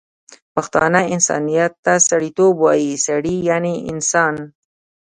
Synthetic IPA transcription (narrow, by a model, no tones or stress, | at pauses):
paxt̪ɑ̰naɪnsɑ̰nijat̪ːasaɽit̪obwɑjisaɽijaneɪ̰nsɑn